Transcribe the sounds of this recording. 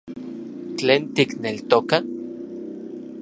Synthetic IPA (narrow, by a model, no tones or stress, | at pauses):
t͡ɬeːnt̪iknelt̪oka